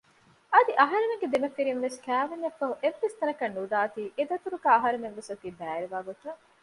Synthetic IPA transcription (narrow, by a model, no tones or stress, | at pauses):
ɐd̪iʔɐɦɐɾemeŋɡed̪imɐfiɾinʋeskæːʋɐɲːɐfːɐɦuʔeʋːest̪ɐnɐkɐnːud̪aːt̪iːʔed̪ɐt̪uɾuɡæːɐɦɐɾemeʋʋesɐt̪iːbæːɾiʋaːɡot̪ɐ